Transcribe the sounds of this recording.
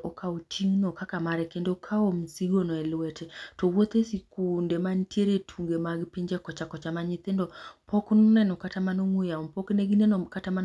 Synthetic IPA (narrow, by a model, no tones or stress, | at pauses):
ʔɔkʰaut͡ʃiŋnɔkakamaɾɛkendokʰaom̩siɡonɔɛlwɛtʰɛtɔwot̪esikundemantjeɾetʰuŋɡemaɡpɪɲd͡ʒɛkɔt͡ʃakɔt͡ʃamaɲit̪endɔpɔknunɛnɔkatamanoŋwejaɔmpɔkneɡinɛnɔkataman